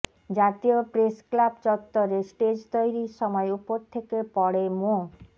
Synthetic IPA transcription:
d͡ʑat̪ijopɾesklabt͡ɕɔt̪ːoɾesʈed͡ʑt̪ojɾiʃɔmɔeupoɾt̪ʰekepɔɽemo

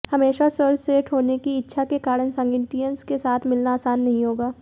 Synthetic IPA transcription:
hɐmeːʃasəɾseːʈʰɦoːnekiɪtːʃʰakekaːɾənsə̃ŋɡɪʈijənskesaːt̪ʰmɪlnaaːsaːnːɐɦĩɦoːɡaː

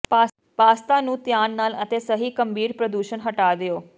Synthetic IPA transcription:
pa | paːst̪aːnũːt̪ɪjaːnːaːlət̪eːsəɦiːkəmbʱiːɾpɾəd̪uːʃənɦəʈaːd̪ɪoː

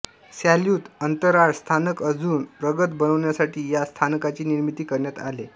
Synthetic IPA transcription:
saljuːt̪ənt̪əɾaɭst̪ʰanəkəd͡zuːnpɾəɡət̪bənəʋɳjasaʈʰiːjast̪ʰankat͡ɕiːniɾmit̪iːkəɾɳjat̪a̰le

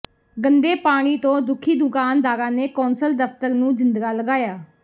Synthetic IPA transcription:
ɡənd̪eːpaːɽ̃iːt̪õːd̪ʊkʰiːd̪ʊkaːnd̪aːɾãːneːkoːnsəld̪əpt̪əɾnũːzɪnd̪ɡaːləɡaːjaː

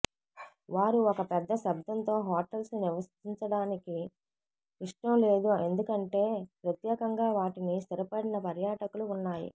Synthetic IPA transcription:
ʋaːɾuɔkɐpɛd̪ːɐʃɐb̚d̪ʱɐnt̪o̞ːɦaːʈɐlsniʋɐst̪iɲt͡ʃɐɽaːniki | iʂʈɐmle̞ːd̪ue̞nd̪ukɐɳʈe̞ːpɾɐt̪jɛːkɐŋɡaːʋaːʈinist̪iɾɐpɐɽinɐpɐɾjaːʈɐkuluːnːaːjḭ

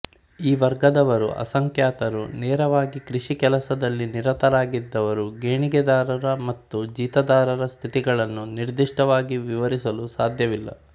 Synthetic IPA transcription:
iːʋɐɾɡɐd̪ɐʋɐɾṵʔɐ̰sɐŋkjaːt̪ɐɾṵnɛːɾɐʋaːɡikɾiʂikɛlɐsɐd̪ɐlːiniɾɐt̪ɐɾaːɡid̪ːɐʋɐɾuɡeːɳiɡɛd̪aːɾɐɾɐmɐt̪ːud͡ʒiːt̪ɐd̪aːɾɐɾɐst̪ʰit̪iɡɐɭɐnːuniɾd̪iʂʈɐʋaːɡiʋiʋɐɾisɐlusaːd̪ʱjɐʋilːɐ̰

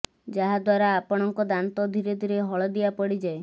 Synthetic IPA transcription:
d͡ʒaɦad̪waɾaːpɔɽ̃ɔŋkɔd̪ant̪ɔd̪ʱiɾed̪ʱiɾeɦɔɭɔd̪iapɔɽid͡ʒae

